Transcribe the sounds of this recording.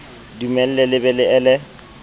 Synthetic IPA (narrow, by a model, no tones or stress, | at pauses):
dumɛl̩lɛlɪbɛlɪɛlɛ